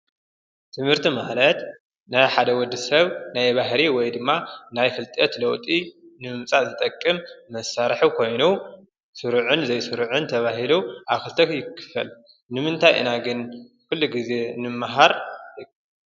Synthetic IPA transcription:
t̪ʰɨmhɨɾt̪ʰimalɐt̪ | najħad̪ɐwɔd̪ːɨsɐβnajβaɦɾiwɔjd̪ɨmːanajfɨlt̪ʼɐt̪lɐwt̪ʼinɨmɨmt͡sʼazɨt̪ʼɐkʼːɨmːɐsaɾħukʰo̞jnu | sɨɾʕʊnzɐjsɨɾʕʊnt̪ʰɐβaɦiluʔaβkɨlt̪ʰɐkjɪkʰːɨ̥fɐ̰l | nɨmɨnt̪ʰajʔɨ̰naɡɨn | kʰɨlːuɡize̞nɨmːaɦaɾ

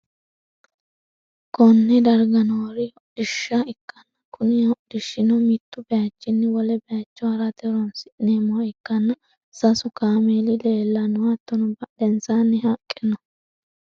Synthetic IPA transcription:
kʰɔnːɛd̪ɐɾɡɐnɔɾɪɔd̪̥ɪʃːɐɪkːɐnːɐkʰʊnɪɔʔd̪̥ɪʃːɪnɔmɪt̪ːʊbɛjɐt͡ʃːɪnːɛwɔlɛbɛjat͡ʃːɔɐɾɐt̪ɛɾɔnsɪneːmʊwaɪkːɐnːɐ | sɐsʊkaːmeːlɪleːlːɐnʊwat̪ːɔnɔbɐdɛnsanːɛhɐkʼːɪnɔ

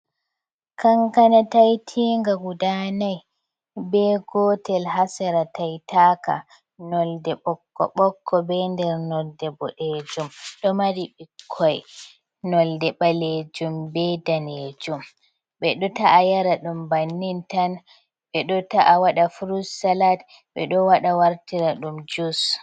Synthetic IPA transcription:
kaŋkanatajtʰiːŋɡaɡudanaj | bɛɡɔtɛlhasɛɾatajtaːka̰ | nɔldɛɓɔkːɔ̰ɓɔkʰːɔbɛndɛɾnɔldɛbɔɗed͡ʒumɗɔmaɾiɓikʰːɔj | nɔldɛɓaled͡ʒumbɛdaned͡ʒum | ɓɛɗɔtaʔajaɾaɗumbanːintan | ɓɛɗɔtaʔawaɗafuɾusːalat | ɓɛ̰ɗɔwaɗawaɾtiɾaɗumd͡ʒus

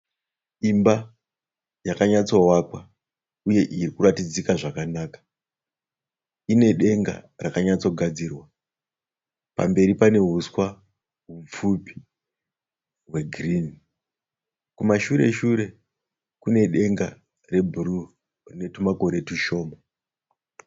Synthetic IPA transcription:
imba | jakaɲat͡so̞wakwa | uje̞ʔirikuratid͡zikaʐakanaːkḁ | ine̞ɗe̞ŋɡa̰rakaɲat͡so̞ɡʱad͡zirwa | pa̰mbe̞ɾipane̞ɦuswa | ɦup͡fupi̥ | ɦwe̞ɡrini | kumaʃuɾe̞̰ʃuɾe̞ | kune̞ɗe̞ŋɡa | re̞bʱuɾu | rine̞tumako̞ɾe̞tiʃo̞ːma

